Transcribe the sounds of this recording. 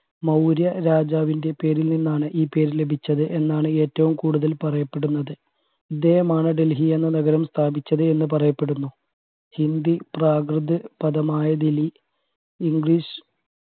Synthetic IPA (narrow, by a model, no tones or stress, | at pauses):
mɐwɾjɐɾaːd͡ʑaːʋinde̞pe̞ːɾilninːaːɳɨʔiːpe̞ːɾile̞bʱit͡ɕːɐðɨʔe̞nːaːɳɨe̞ːtːɐʋumkuːɽuðɐlpɐrɐjɐpːe̞ɽunːɐðɨ | id̪ːe̞ːhɐmaːɳɨɖelɦienːɐnɐɣɐɾɐmst̪ʰaːbit͡ɕːɐðɨe̞nːɨpɐrɐjɐpːe̞ɽunːu | hind̪ipraːɡrɨd̪ɨpɐðɐmaːjɐd̪ili | iŋɡiːʂ